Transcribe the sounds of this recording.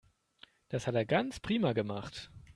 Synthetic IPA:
d̥ashateːɐɡant͡spʁ̥iːmaɡəmaχt

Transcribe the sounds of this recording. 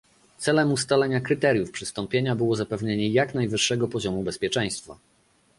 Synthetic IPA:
t̪sɛlɛmust̪alɛɲakɾɘt̪ɛɾjufpʂɘst̪ɔmpʲjeɲabɘwɔzapɛvɲeɲɛjaknajvɘʂːɛɡɔpɔʑɔmubɛspʲjɛt͡ʂɛ̃j̃st̪fa̰

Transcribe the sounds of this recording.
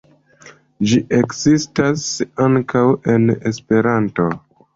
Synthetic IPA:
d͡ʒiʔe̞kzistasaŋkawe̞ne̞̰spe̞ɾanto̞

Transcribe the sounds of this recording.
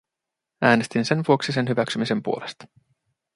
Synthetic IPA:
æːne̞st̪inse̞nʋuoksise̞nɦyʋæksymise̞mpuole̞st̪ɑ̥

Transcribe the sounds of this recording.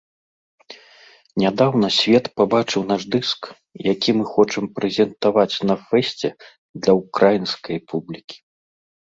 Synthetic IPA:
nʲad̪awn̪ɐsʲvʲɛt̪pabat͡ʂɨwnaʐd̪ɨsk | jakʲimɨxɔt͡ʂɨmpɾɛzʲɛnt̪avat͡sʲnɐfɛsʲt͡sʲɛ | d̪lʲɐwkɾajinskɐjpublʲikʲi̥

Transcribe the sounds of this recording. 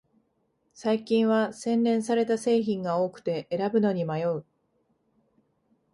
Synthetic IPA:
saikʲĩɰ̃βasẽ̞nɾẽ̞ɰ̃saɾe̞t̪ase̞ːçĩŋɡao̞ːkɯ̟̥t̪e̞ʔeɾabɯ̟no̞ɲ̟imajo̞ɯ̟

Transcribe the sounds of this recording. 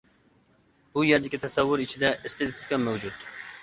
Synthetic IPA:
bujeɾd̪ɪkʲit̪ʰɛsɛwːʊɾit͡ʃʰɪd̪ɛʔɪst̪ɪd̪ɪskʲɛmæwd͡ʒut̪

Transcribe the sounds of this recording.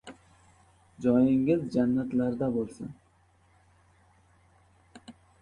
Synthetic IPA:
d͡ʒɒjɪŋɪzd͡ʒanːat̪laɾd̪abolˠsɪ̰n

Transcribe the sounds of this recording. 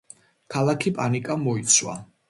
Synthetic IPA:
kʰalˠakʰipʼanikʼamɔit̪sʰwa̰

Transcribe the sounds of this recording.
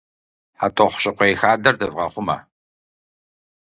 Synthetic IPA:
ħatʼɔχʷɕʼɪqʷejxaːdɐrdɐvʁɐχʷʊmɐ̰

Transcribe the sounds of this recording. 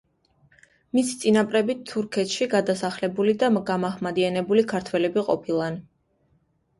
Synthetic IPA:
misit̪sʼinapʼɾɛbit̪ʰːuɾkʰɛt̪ʃiɡad̪asaχlɛbulid̪amɡamaχmad̪ianɛbulikʰaɾt̪ʰwɛlɛbiqʼɔ̰pʰilˠan

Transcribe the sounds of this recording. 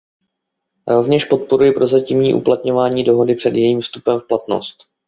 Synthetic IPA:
ɾo̞vɲɛʃpo̞t̪̚po̞ɾujɪpɾo̞zacimɲiːʔṵplat̪ɲo̞vaːɲiːdo̞ɦo̞dɪpr̝̥ɛdjɛjiːmfst̪upɛmfplat̪no̞̰st̪

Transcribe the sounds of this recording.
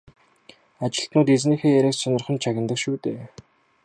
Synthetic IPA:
at͡ɕɪ̆ɬt̪nʊːt̪et͡sniːxeːjæɾʲæːksɔnɞ̆rχə̆nt͡ɕʰaɣʲɪ̆nt̪ə̆kʃuːt̪eː

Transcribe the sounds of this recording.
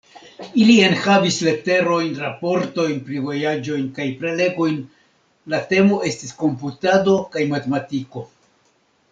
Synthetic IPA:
ilie̞nhavisle̞te̞ɾo̞jnɾapo̞ɾto̞jnpɾivo̞jad͡ʒo̞jnkajpɾe̞le̞ɡo̞jn | late̞mo̞e̞stisko̞mputado̞kajmatematiko̞

